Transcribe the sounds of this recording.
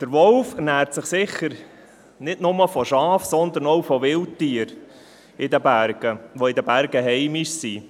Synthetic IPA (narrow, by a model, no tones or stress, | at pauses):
d̪̥əɾʋɔlfɛnæːɾtsɪχsɪχːəɾ | nɪdnʊməfɔʃɑːfsɔnd̪ənɔwfɔʋɪlttiəɾ | ɪd̪əbæɾɡ̥əʋɔɪd̪əbæɾɡəɦɛɪmɪʃsi